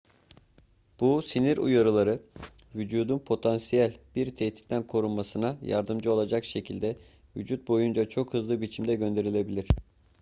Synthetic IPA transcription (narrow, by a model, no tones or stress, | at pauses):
b̥usiniɾṵjaɾɯlˠaɾɯ | vyd͡ʒuːd̪unpʰo̞t̪ʰansijælʲb̥iɾt̪ʰɛht̪ʰi̥t̪t̪ænkʰo̞ɾunmasɯnaja̰ɾd̪ɯmd͡ʒɯo̞lˠad͡ʒakʃe̞cʰilʲd̪ɛ | vyd͡ʒut̪̚bo̞jund͡ʒat͡ʃʰo̞khɯzlˠɯbit͡ʃʰimd̪ɛɟø̞nd̪e̞ɾilʲe̞bilʲiɾ̥